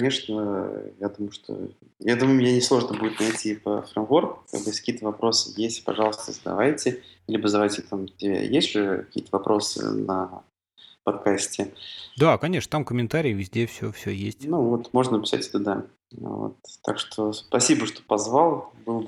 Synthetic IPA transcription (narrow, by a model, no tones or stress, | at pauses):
nʲeʂnəjad̪umʊjʊʂt̪ʰo̞̰ | jad̪umʊjʊmʲjanʲɪslˠo̞ʐnəbudʲɪt̪nɐjtʲipə̰fɾəmvo̞rka̰bsʲkɐkʲiːət̪əvɐpɾo̞sɨ̥̰jesʲtʲpɐ̰ʐɑlˠəst̪əzəd̪ɐ̰vajtʲɪilʲɪbəzəd̪ɐvajtʲɪt̪amtʲɪa̰jesʲtʲʐɛkɐ̥kʲḭːət̪əvɐpɾʔo̞sɨ̰nə̰ | pɐt̪kasʲtʲɪd̪akɐnʲeʂnət̪amkəmʲɪnt̪aɾʲɪːvʲɪzʲdʲefsʲɵfsʲɵjesʲtʲnuvo̞t̪mo̞ʐnənpʲɪ̥sa̰tʲt̪ʊd̪a̰ | vo̰t̪ːa̰kʂt̪ʰo̞spɐsʲibəʂt̪o̥pɐzvalˠbɨlˠ